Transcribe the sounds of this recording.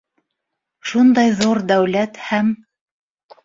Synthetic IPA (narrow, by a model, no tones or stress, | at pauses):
ʃund̪ɑjðuɾd̪æwlæt̪hæm